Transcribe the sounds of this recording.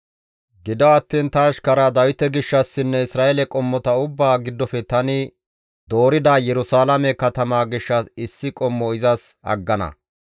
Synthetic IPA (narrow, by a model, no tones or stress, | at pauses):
ɡɪd̪ɔɐt̪ːiːnt̪ɐːʃkɐɾad̪ɐwɪt̪ɛɡɪʃːɐsːɪnːɛɪsɾaːɛlɛkʼɔmːɔt̪ɐʊbːaːɡɪd̪ːɔfɛt̪ɐnɪ | d̪oːɾɪd̪aːjɛɾʊsaːlɐmɛkɐt̪ɐmaːɡɪʃːɐsɪsːɪkʼɔmːɔɪzɐsɐ̰ɡːɐnɐ̰